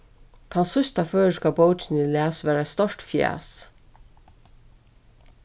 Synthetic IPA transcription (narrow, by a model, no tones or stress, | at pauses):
t̪ʰansʊst̪aføːʃkabowt͡ʃɪnɪlæːsʋæːɾaɛst̪ɔɹtfja̰ːs